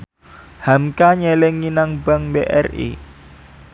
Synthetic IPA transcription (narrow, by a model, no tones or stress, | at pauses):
hamkaɲɛlɪŋːinaŋba̤ŋbeʔɛ̰rḭ